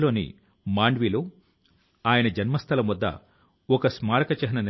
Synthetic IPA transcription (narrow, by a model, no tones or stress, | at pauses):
lo̞ːnḭ | maːɳɖʋiːloː | aːjɐnɐd͡ʒɐnmɐst̪ʰɐlɐmʋɐd̪ːɐ̰ | ɔkɐsmaːɾɐkɐt͡ʃɐɦɐnɐn